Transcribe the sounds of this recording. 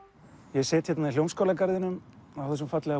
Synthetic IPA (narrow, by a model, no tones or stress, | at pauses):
jɛsɛːt̪ʰçɛt̪nailjowmskowlakaɾðɪnʏmawfθɛs̬ʏmfat̪lɛɣa